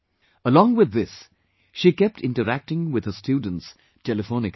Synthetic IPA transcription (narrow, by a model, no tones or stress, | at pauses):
əlɔ̃ŋwɪðɪs | ʃikɛp̚tʰɪ̃ntəɾæk̚tɪ̃ŋwɪð̥əstjuːdⁿn̩ts | tʰɛlɨfõnɪk